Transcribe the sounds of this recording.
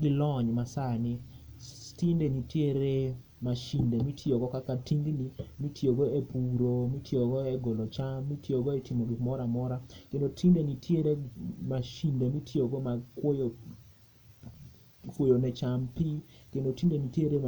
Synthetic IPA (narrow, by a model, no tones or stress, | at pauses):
ɡɪlɔɲmasanɪ | tindenitjeɾe | maʃindemitʰjoɡɔkakatiŋɡnimitʰjoɡoepuɾomitjoɡɔeɡɔlɔt͡ʃamːitjoɡoetimoɡikmɔɾamɔɾakendotʰindenitʰjeɾemaʃindemitʰjoɡomakwojo | kwojonɛt͡ʃampikendotindenitjeɾe